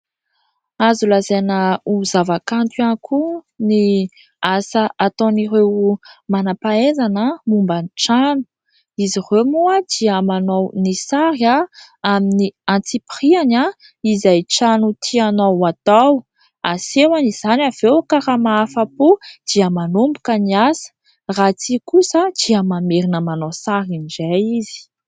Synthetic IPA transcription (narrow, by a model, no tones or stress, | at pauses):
azulazenəuzavakant̪ankʰuni | asaat̪oniɾewmanapaezanəmumbəniʈ͡ʂanu̥ | izirewmuad̪̥iəmanownisaɾja | aminiãnt͡sipiriana | izajʈ͡ʂanut̪ʰianowat̪aw | asewaniz̥anav̥ewkaɾamaafapud̪̥iəmanumbukəniasə̥ | rat͡sikusəd̪̥iəmameɾinəmanosaɾinizajizi̥